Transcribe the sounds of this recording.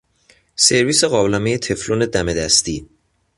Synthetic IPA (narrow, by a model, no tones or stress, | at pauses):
se̞ɾviːse̞ɣɒːblæmejet̪ʰe̞flone̞d̪æme̞d̪æst̪i